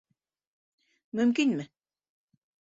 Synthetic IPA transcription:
mɵmkinʲmɘ

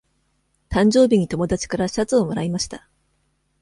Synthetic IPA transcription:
t̪ãɲ̟d͡ʑo̞ːbʲiɲ̟it̪o̞mo̞d̪at͡ɕi̥kaɾaɕi̥at͡sɨo̞mo̞ɾaimaɕi̥t̪a

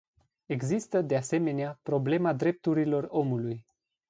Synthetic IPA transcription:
e̞ɡzist̪əd̪ease̞me̞neapɾo̞ble̞mad̪ɾe̞p̚t̪uɾilo̞ro̞muluj

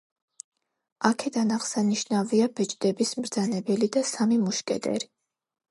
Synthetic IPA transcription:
akʰɛd̪anaʁsaniʃnaviabɛt͡ʃʼd̪ɛbismɾd̪zanɛbɛlid̪asamimuʃkʼɛd̪ɛ̰ɾi

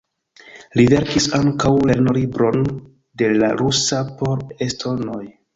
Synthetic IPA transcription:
live̞ɾkisaŋkawle̞ɾnolibɾo̞n | de̞la̰ɾusapo̞ɾestʰo̞ɾno̞j

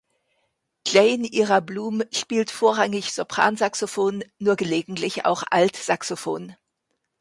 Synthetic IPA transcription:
kl̥eɪnʔiːʁɐbluːmʃpiːltfoːɐʁaŋɪçz̥opʁ̥a̰ːnzaksofoːnːuːɐɡəleːɡŋ̩tlɪça̰ʊxʔa̰ltz̥aksofo̰ːn

